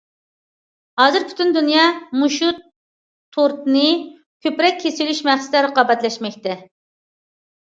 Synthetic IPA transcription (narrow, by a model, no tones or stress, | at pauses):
hɑːzɨɾpʰy̥t̪ynd̪unjɑmuʃut̪ʰː | oɾt̪nɨ | kʲʰøpɾɛk̚ʲʰːesilyʃmæχsɪ̥t̪ʰɪɾəqɑːbɛt̪lɛʃmɛkʲt̪ʰɛ